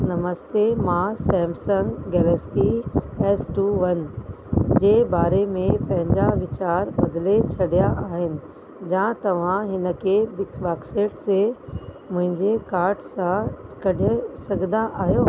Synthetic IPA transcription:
nɐməst̪emãsɛ̃ːmsə̃ŋɡɡɛːlɛːsʈiɛːsʈuːʋɐn | d͡ʑeːbaːɾemẽpɐ̃ɦɪ̃ɲd͡ʑaʋɪt͡ɕaːɾbɐd̪let͡ɕʰɐɽijaʔaːɦɪnɪ̆ | d͡ʑãːt̪ɐʋ̤ãɦɪnə̆kʰebɪkbaːkseːʈse | mʊ̃ɦɪ̃ɲd͡ʑekaːɾʈsãkɐɗʱsɐɡʱnd̪ãʔaːɦijoː

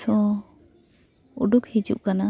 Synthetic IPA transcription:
ɔ | uɖukhid͡ʒṵʔkana

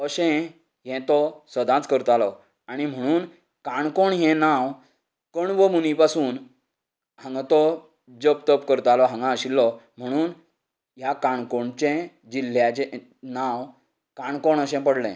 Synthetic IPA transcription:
əɕɛ̃ | ɦɛ̃t̪ɔsəd̪ʱãt͡skəɾt̪alɔ | aɽ̃im̤əɽ̃uːn | kaɳkɔɳɦɛ̃nãw | kəɳʋəmunipasuːn | hãŋɡat̪ɔ | d͡ʑəp̚t̪əpkəɾt̪alɔɦãŋɡãəɕilːɔm̤əɽ̃uːn | ɦjakaɳkoɳt͡ɕɛ̃ | d͡ʑiljat͡ɕɛ | nãw | kãɳkɔɳəɕɛ̃pəɽlɛ̰̃

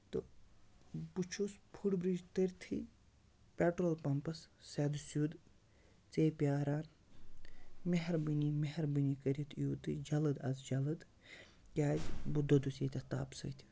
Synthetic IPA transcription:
t̪ɨ | but͡ʃʰuspʰuɽbɾid͡ʒt̪ɨɾʲt̪ʰḭ | pʲɛʈɾoːlpɐmpɐsːɛd̪usjud̪ | t͡seːpʲjaːɾaːn | meɦɐɾbɨnimeɦɐɾbɨnikɐɾʲɐt̪ʰijuːt̪ɨd͡ʒɐlɨd̪ɐzd͡ʒɐlɨd̪ | kʲaːd͡ʒʲbud̪ɐd̪useːt̪ʲɐt̪a̰ːpsə̰ːt̪ʲʰi̥

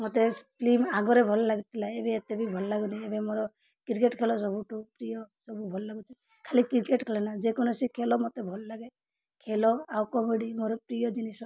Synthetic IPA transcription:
mɔt̪esplimaɡɔɾebʱɔlɔlaɡit̪ʰilaebeːt̪ebʱibʱɔlɔlaɡunaebemoɾɔ | kiɾkeʈkʰelɔsɔbuʈupɾijɔsɔbubʱɔlɔlaɡut͡ʃʰɔ | kʰalikiɾkeʈkʰelɔnad͡ʒekɔnɔsikʰelɔmɔt̪ebʱɔlɔlaɡe | kʰelɔawkɔmeɖimoɾɔpɾijɔd͡ʒinisɔ

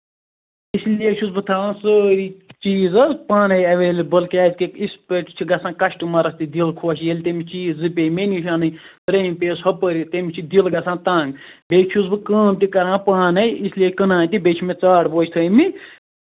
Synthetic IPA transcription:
islieʃʰusbɨt̪ʰaːãːnsəːɾiːt͡ʃiːzɐzpaːnɐjɐʋeːlʲbəlkʲaːzkekispeʈt͡ʃʰiɡɐsãːkɐʃʈɨmɐɾɐst̪id̪ilkʰoːʃjelʲt̪emit͡ʃiːzːɨpʲeːmeniʃaːnɨj | t̪ɾeːmʲpʲeːshɐpəɾit̪emit͡ʃʰid̪ilɡɐsãːnt̪ãːŋɡbʲeːt͡ʃt͡ʃʰuzbɨkəːmt̪ikɐɾãːpaːnɐjisliekənãːnt̪ibʲeːt͡ʃʰimet͡saːɽboːt͡ʃʰt̪ʰəːmi

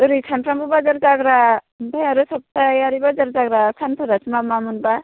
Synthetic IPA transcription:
ɯɾikʰantɾambubad͡ʒaɾd͡ʒaɡɾa | bajaɾɯsɔb̚tajaɾibad͡ʒaɾd͡ʒaɡɾasʰanpʰɯɾat͡ʃmamamunba

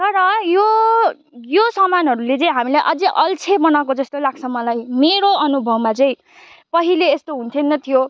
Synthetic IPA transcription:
t̪ʌɾʌjo | josʌmanɦʌɾulet͡sʌĩɦamilajʔʌd͡ziʔʌlt͡sʰebʌnawkod͡zʌst̪olaɡ̚t͡sʰʌmʌlajmeɾoʌnubʱʌwmat͡sʌĩ | pʌɦileːst̪oɦũnt̪ʰenːʌt̪ʰijo

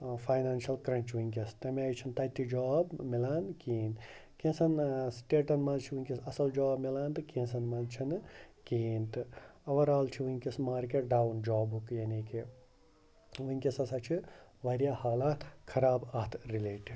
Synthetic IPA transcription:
faːjnaːnʃɐlkɾɐ̃ɲt͡ʃʋuŋʲkʲɐst̪ɐmeajt͡ʃʰint̪ɐt̪ːid͡ʒaːbmilaːnkiːnkẽnsɐnsʈeːʈɐnmɐlt͡ʃʰiʋunʲkʲisɐsɐld͡ʒaːbmilaːnt̪ɨkẽːnsɐnmɐzt͡ʃʰinkiːnt̪ɨɐʋɐɾaːlt͡ʃʰiʋunʲkesmaːɾk̬eʈɖaːwnd͡ʒaːbɦukjɐnike | ʋuŋʲkʲesɐsat͡ʃʰiʋɐɾjaːhaːlaːt̪ʰkʰɐɾaːbɐt̪ʰɾileːʈi

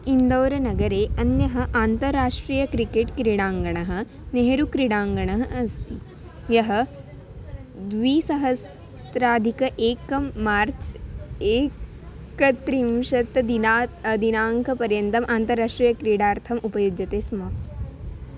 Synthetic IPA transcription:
ind̪ɐːɾɐnɐɡɐɾeːʔɐnjɐɦɐ̆ʔaːnt̪ɐɾːaːʂʈɾiːjɐkɾikeːʈkɾiɽaːŋɡɐɳ̃ɐɦɐ̆ | neɦɐɾukɾiɽaːŋɡɐɳɐɦɐɐst̪i | jɐɦɐ̆ | d̪ʋiːsɐɦɐs | t̪ɾaːd̪ʱikɐʔeːkɐmːaːɾt͡ʃeː | kɐt̪ɾimʃɐt̪d̪inad̪inaːŋkʰɐpɐɾjɐnt̪ɐmʔaːnt̪ɐɾːaːʂʈɾiːjɐkɾiɽaːɾt̪ʰɐmupɐjud͡ʒɐt̪eːsmɐ

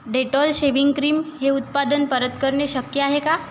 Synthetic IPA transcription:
ɖeʈɔlɕeʋiŋɡkɾiːmɦeut̪̚pad̪ənpəɾət̪kəɾɳeɕəkjəaɦeka

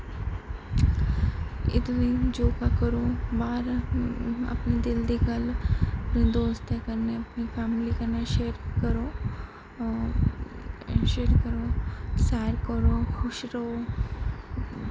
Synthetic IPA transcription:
ɪ̰t̪ʋĩd͡ʒoːkakəɾobaːɾ | ɐ̰pnid̪ɪld̪ikɐlpnĩd̪oːst̪ekɐɾneɐpnifʰɛːmlikɐɾnaʃeːɾkɐɾo | ʃeːɾkəɾoːsɛːɾkəɾoxʊʃɾɐɦo

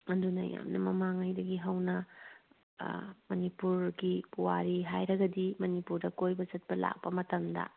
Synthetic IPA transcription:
ɐndunɐ̰ja̰mnɐmɐmaŋajdɐɡiɦɐwnɐ | mɐnipuɾɡipuwaɾiɦajɾɐɡɐdimɐnipuɾdɐkojbɐzɐt̚pɐla̰k̚pɐmɐtɐmdɐ̰

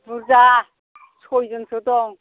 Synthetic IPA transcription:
buɾza | sʰojzɯnsʰɯdɔŋ

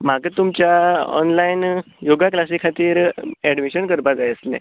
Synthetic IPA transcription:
m̤aɡət̪umt͡ɕjaɔ̰nlain | joɡaklasikʰat̪iːɾɛɖmiɕənkəɾpad͡zajəslḛ̃

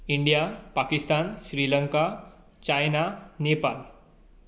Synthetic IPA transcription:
iɳɖijapakist̪anɕɾiləŋka | t͡ɕajnanepal

